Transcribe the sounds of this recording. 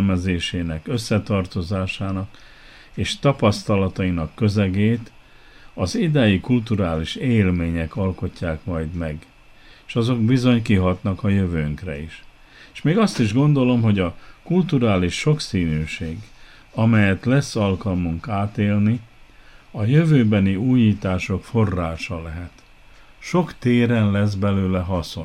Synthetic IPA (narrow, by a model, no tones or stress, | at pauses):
mɛzeːʃeːnɛkøsːɛt̪ɒrt̪o̞zaːʃaːnɒk | eːʃt̪ɒpɒst̪ɒlɒt̪ɒinɒkːø̞zɛɡeːt̪ | ɒzid̪ɛjikult̪uɾaːliʃeːlmeːɲɛkɒlko̞cːaːkmɒjd̪mɛɡ | eʃɒzo̞ɡbizo̞ɲkiɦɒt̪nɒkɒjøvøːŋkrɛ̰iʃ | eʃmeːɡɒst̪iʒɡo̞nd̪o̞lo̞mɦo̞ɟɒkult̪uɾaːliʃːo̞ksiːnyːʃeːɡ | ɒmɛjɛt̪lɛsːɒlkɒlmuŋkaːt̪eːlni | ɒjøvøːbɛniuːjiːt̪aːʃo̞kfo̞rːaːʃɒlɛɦɛt̪ | ʃo̞kt̪eːɾɛnlɛzbɛløːlɛɦɒso